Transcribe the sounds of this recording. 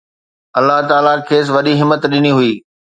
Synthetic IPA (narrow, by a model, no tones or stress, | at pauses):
ɐlːaɦt̪aːlakʰeːs̬ʋɐɗiɦɪmːət̪ɗɪniɦʊiː